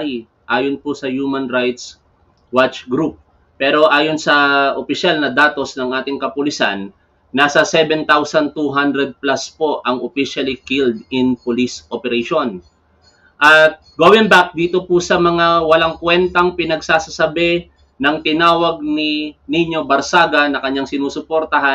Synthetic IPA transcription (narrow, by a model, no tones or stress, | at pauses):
j | ʔaːjonpʊsɐjumɐnɾajt̪s | wat͡ʃɡɾup̚ː | ɛːɾo̞ʔaːjonsɐʔopɪʃalnɐd̪aːt̪o̞snɐŋʔaːt̪ɪŋkɐpʊlɪsa̰nː | aːsɐsɛbɛnt̪awsɐnt̪uɦand̪ɾɛd̪̚plaspo̞ʔɐŋopiʃɐlikild̪ɪnpʊlisʔopɛɾɛʃon | ʔɐt̪̚ɡoːwɪ̃ŋbak̚d̪iːt̪o̞pʊsɐmɐŋawɐlaŋkwɛnt̪ɐŋpɪnɐɡsaːsɐsɐbɛ | nɐŋt̪ɪnaːwɐɡ̚nɪniɲo̞bɐɾsaːɡɐnɐkɐɲːaŋsɪnuːsʊpoɾt̪ɐɦa